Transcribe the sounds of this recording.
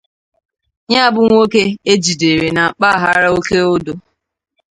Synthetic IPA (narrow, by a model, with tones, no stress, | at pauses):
ɲa˦˨bʊ˦ŋʷ˦o˦ke˦e˦d͡ʒi˨de˨ɾe˨na˨k͡pa˦˨ɦa˦ɾa˦o˦ke˦o˦do˨